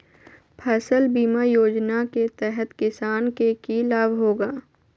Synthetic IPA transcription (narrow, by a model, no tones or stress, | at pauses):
pʰɛsəlbiːmajoːd͡ʒnaket̪ɛɦɛt̪kɪsaːnkekilaːbɦoːɡaː